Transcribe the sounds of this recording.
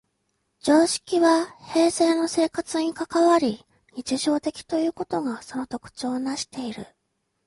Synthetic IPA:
d͡ʑo̞ːɕi̥kʲiβahe̞ːse̞ːno̞se̞ːkat͡sɨɲ̟ikakaβaɾʲi | ɲ̟it͡ɕiʑo̞ːt̪e̞kʲi̥t̪o̞jɯ̟ːko̞t̪o̞ɡaso̞no̞t̪o̞kɯ̟̥t͡ɕo̞ːnaɕi̥t̪e̞iɾɯ̟̰

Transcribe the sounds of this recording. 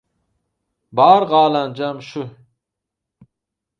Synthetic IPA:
bɑːɾʁɑːland͡ʒamʃʊ

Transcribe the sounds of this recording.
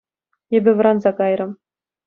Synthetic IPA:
ebʲɘ̆ʋɤ̆ɾɑnzɑkɑjɾɤ̆m

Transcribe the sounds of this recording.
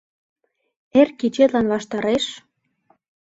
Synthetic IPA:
erkit͡ɕet̪lɑnβɑʃt̪ɑɾeʃ

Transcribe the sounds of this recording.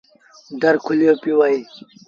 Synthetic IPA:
ɖɐɾkʰulijopiwaj

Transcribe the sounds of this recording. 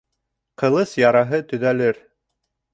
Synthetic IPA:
qɤ̆lˠɤsjɑɾɑɦɤt̪ɵ̆ðælɘɾ

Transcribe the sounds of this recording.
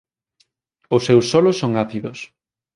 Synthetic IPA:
ʊsːewsɔlʊsːoŋaθiðʊs

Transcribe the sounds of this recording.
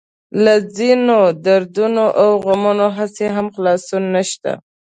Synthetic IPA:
lazinod̪aɾd̪unoʔawɣamunoɦaseɦamxlɑsunːaʃt̪a̰

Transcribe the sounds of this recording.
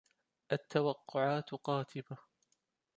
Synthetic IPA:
ʔat̪ːawɑqːʊʕaːt̪qɑːt̪ʰɪba

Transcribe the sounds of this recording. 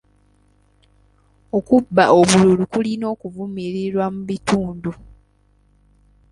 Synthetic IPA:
o̞kubːao̞βululukulino̞ːkuvumiɾiɾwamuβituːndu

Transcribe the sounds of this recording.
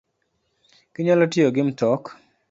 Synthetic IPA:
kiɲalɔtɪoɡɪmtɔk

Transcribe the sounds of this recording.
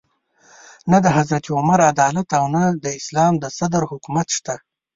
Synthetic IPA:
nad̪əɦazɾat̪iʊmaɾad̪ɑlat̪awnad̪əɪslɑmd̪əsad̪əɾhʊkumat̪ʃt̪a

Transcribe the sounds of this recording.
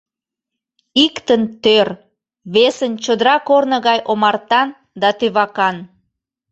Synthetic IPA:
ikt̪ənt̪ør | βesənt͡ɕəd̪əɾɑkornəɣɑjʔomɑrt̪ɑn | d̪ɑt̪øβɑkɑn

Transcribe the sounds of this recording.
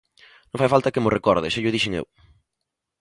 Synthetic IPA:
nõŋfajfalt̪akemorekɔɾðeʃeʎʊð̞iʃɪŋḛw

